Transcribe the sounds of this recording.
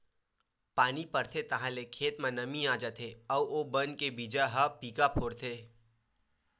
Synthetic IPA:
paːnipɐɾt̪ʰet̪ɐɦãlekʰeːt̪mãnɐmĩaːd͡ʒat̪ʰeɔːoːbɐnkebiːd͡ʒaɦɐpiːkapʰoːɽt̪ʰeː

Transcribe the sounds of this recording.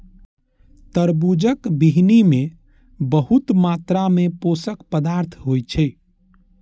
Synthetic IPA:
t̪əɾbud͡ʒəkbiɦnime | bəɦut̪mat̪ɾameposəkpəd̪aɾt̪ʰɦojt͡ʃʰɛ

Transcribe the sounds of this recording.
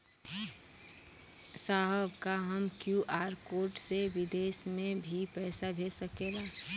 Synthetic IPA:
saːɦəbkaɦəmkjuʔaːɾkoːʈseʋɪd̪eːsmẽbʱipɛːsabʱeːsəkeːlaː

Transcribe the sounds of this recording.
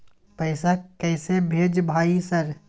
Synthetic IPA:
pəɪsakɛːsebʱeːd͡ʒbʱaːisəɾ

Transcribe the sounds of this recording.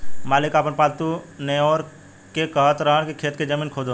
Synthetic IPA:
maːlɪkaːpənpaːt̪uneɔːɾ | kekəɦət̪ɾəɦəɽ̃kikʰeːt̪ked͡ʒəmiːnkʰoːd̪o

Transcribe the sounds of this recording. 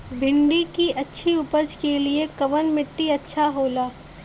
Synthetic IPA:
bʱɪ̃ɳɖikiʔɐtːʃʰiʊpəd͡ʒkeliekɐʋənmɪʈːiɐtːʃʰaɦoːlaː

